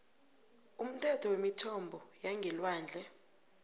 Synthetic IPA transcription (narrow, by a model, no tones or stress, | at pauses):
um̩tʰɛtʰɔwemitʰɔmbʱɔjaŋɡʱɛlwaːnd͡ɮʱɛ